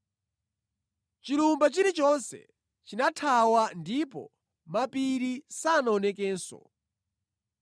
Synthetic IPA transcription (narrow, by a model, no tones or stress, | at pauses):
t͡ʃilumbat͡ʃiɾit͡ʃɔnsɛ̰ | t͡ʃinatʰawandipɔ̰ | mapiɾisanaɔnɛk̬ɛːnsɔ̰